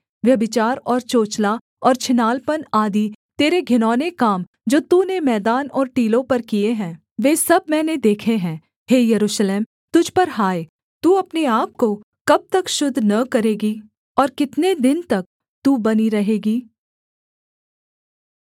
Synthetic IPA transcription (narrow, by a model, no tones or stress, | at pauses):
ʋjɐbɪt͡ʃaːɾɔːɾt͡ʃoːt͡ʃla | ɔːɾt͡ʃʰɪnaːlpənaːd̪it̪eːɾeɡʱɪnɔːnekaːm | d͡ʒoːt̪uːnemɛːd̪aːnɔːɾʈiːlõpɐɾkieɦɛ̃ː | ʋeːsɐb̚mɛːned̪eːkʰeɦɛ̃ː | heːjɐɾuːʃleːm | t̪ʊd͡ʒʱpɐɾɦaːe | t̪uːɐpneaːp̚ko | kɐb̚t̪ɐkʃʊd̪ʱnɐkɐɾeːɡiː | ɔːɾkɪt̪ned̪ɪnt̪ɐk̚ | t̪uːbɐniɾɐɦeːɡiː